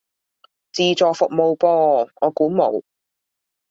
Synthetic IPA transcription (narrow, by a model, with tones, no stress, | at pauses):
t͡siː˨t͡ʃɔː˨fʊ˨k̚mo˨˧wpɔː˧ŋɔː˨˧kuː˨˥mo̰˨˩w